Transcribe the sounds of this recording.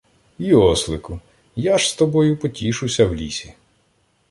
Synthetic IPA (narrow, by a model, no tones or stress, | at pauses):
iɔslˠɪkʊ | jaʒst̪ɔbɔjʊpɔtʲiʃʊsʲɐwlʲḭsʲi